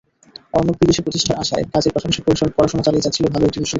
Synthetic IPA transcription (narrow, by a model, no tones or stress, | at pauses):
ɔɾnok̚ɾid̪eʃipɾot̪iʃʈʰaɾaʃa̰ekad͡ʑeɾpaʃʰomʃepoɾiʃopɔɾaʃɔmat͡ɕalied͡ʑatːɕʰilobʱaloekʈibiʃo